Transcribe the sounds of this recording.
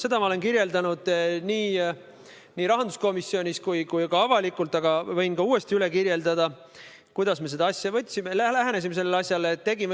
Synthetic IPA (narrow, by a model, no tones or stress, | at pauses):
se̞d̪̥ɑmɑolenkiɾje̞ld̪ɑnud̪̥niː | niːɾɑɦɑnd̪̥usko̞misːio̞nʲiskujkujkɑɑvɑlikːˑult̪ːˑɑɡɑvɤjnkɑuːe̞st̪iyle̞kiɾje̞ld̪ɑd̪̥ɑ | kujd̪̥ɑsme̞s̬e̞d̪ɑɑsʲjɑvɤ̞t̪ʲːsimelælæɦænes̬ime̞se̞lːeɑsʲjɑlet̪ːe̞ɡim